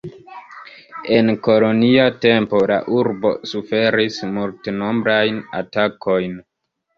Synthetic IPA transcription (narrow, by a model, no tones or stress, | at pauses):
e̞nko̞lo̞niate̞mpo̞la̰ʔuɾbo̞̰sufe̞ɾismulteno̞mbɾajna̰tako̞jn